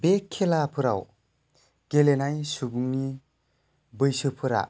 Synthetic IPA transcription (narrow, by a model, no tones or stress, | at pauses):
bekʰːelapʰɯɾa̰w | ɡ̥elenajsubuŋni | bɯjsɯpʰɯɾa̰